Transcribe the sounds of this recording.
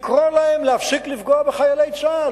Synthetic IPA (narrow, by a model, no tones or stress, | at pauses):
kʁolaemleafsiklifɡoabeχajalejt͡sa